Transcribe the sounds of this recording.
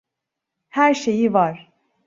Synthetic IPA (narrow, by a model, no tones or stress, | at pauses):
hæɾʃejivɑɾ̥